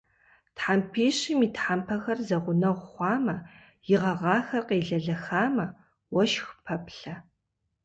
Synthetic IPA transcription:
tħampʰeːɕimiːtħampʰɐxɐrzɐʁʷʊnɐʁʷχʷɑːmɐ | jɪʁɐʁɑːxɐqeːɮɐɮɐxaːmɐ | wɐʃxpʰɐpʰɬɐ

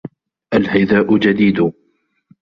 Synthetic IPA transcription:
ʔalhajðaːʔʊd͡ʒad̪iːd̪ʊ

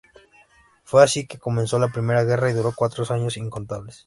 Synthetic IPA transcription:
fwe̞asike̞ko̞menso̞lapɾime̞ɾaɣe̞raiðuɾo̞kwat̪ɾosaɲo̞siŋkont̪aβles

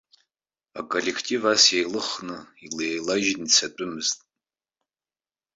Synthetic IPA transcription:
a̰kʼolʲekʰtʼivasjejlɨχnɨileejlaʒnit͡sʰat͡pʷʼʊmɨztʼ

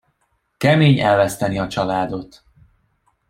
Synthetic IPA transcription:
kɛmeːɲɛlvɛst̪ɛniɒt͡ʃɒlaːd̪o̞t̪

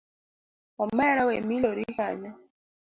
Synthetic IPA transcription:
ɔmɛɾawɛmilɔɾihaɲɔ

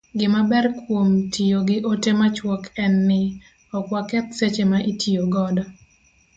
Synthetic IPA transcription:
ɡɪmabɛrkwomtʰijoɡɪʔotemat͡ʃwɔkʰɛnːɪ | ɔkwakɛt̪set͡ʃemaʔitʰioɡɔdɔ

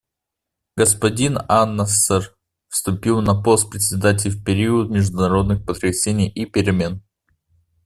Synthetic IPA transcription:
ɡəspɐdʲinanːəsɛr | fst̪ʊpʲilˠnɐpo̞st̪̚pɾʲɪt̪ʲsʲɪd̪at̬ʲɪlʲɪfpʲɪɾʲiʊt̪̚mʲɪʐd̪ʊnɐɾo̞d̪nɨxpət̪ɾʲɪsʲenʲɪjʔipʲɪɾʲɪmʲe̞n

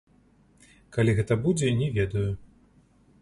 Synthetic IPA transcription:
kalʲiɣɛt̪ɐbud͡zʲɛnʲɛvʲɛd̪ɐju

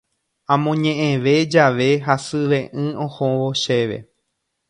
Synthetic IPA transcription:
ãmõɲẽʔẽʋe̞d͡ʒaʋe̞ɦasɨʋẽ̞ʔɨ̃õhõʋoʃe̞ʋe̞̰

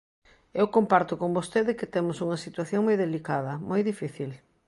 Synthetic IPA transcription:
ewkompaɾt̪ʊkombost̪eðɪkɪt̪emʊsuŋɐsit̪waθjoŋmojðelikað̞ɐmojðifiθil

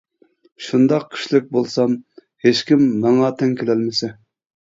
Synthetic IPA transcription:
ʃund̪ɑqʰːi̥ʃlɪk̚ʲbolˠsɑm | het͡ʃkʲimːɑŋɑt̪ʰɛŋkʲʰelɛlmɪsɛ

